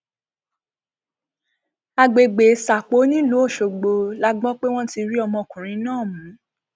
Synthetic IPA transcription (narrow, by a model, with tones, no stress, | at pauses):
a˧ɡ͡be˨ɡ͡be˨˦sa˨k͡po˨˦nĩ˦lu˨˦o˦˨ʃo˨ɡ͡bo˧la˦ɡ͡bɔ̃˦k͡pe˦w̃ɔ̃˦ti˧ɾi˦ɔ˧mɔ̃˧˨kũ˨ɾ̃ĩ˨˦nãː˦˨mũ˨˦